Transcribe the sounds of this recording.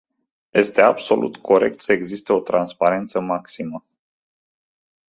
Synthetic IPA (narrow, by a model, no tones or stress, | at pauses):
je̞st̪e̞abso̞̰lṵt̪kʰo̞ɾe̞̰k̚t̪səeɡzist̪e̞o̞t̪ɾanspaɾe̞nt̪səmaksimə